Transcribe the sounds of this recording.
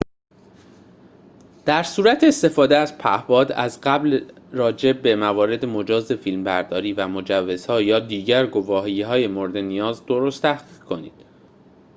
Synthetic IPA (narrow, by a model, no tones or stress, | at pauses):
d̪̥æɾsuːɾæt̪ʰeːst̪e̞fɒːd̪eæz̥pʰæ̰hbɒːd̪æzɢæbl | rɒːd͡ʒe̞be̞mævɒːɾe̞d̪emo̞d͡ʒɒːze̞fiːlmbæɾd̪ɒːɾiːvæmo̞d͡ʒævːe̞z̥hɒːjɒːd̪iːɟæɾɡo̞vɒːɦihɒːje̞moɾed̪e̞nijɒːzd̪o̞ɾost̪ʰæhɡiːɡkʰo̞nḭːd̪̥